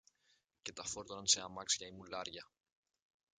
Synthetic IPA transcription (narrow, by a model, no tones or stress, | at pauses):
ce̞t̪ɐfoɾt̪onɐnseɐmɐksʝɐimulɐɾʝɐ